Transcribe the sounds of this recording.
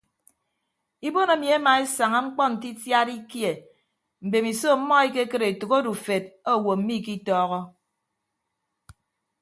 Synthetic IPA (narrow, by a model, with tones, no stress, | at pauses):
i˦bo˦no˨˦mi˨e˦ma˨e˦sa˨ŋa˦ŋ͡m̩˦k͡pɔ˦n̩˨ti˦tja˦ɾi˦kje˨ | m̩˨be˨mi˨so˦˨m̩˦mɔ˦e˦ke˦kɨ˦ɾe˨tu˨ko˦du˨fe˨t̚o˦˨wo˨m̩˦mi˦˨ki˦tɔː˦ɣɔ˦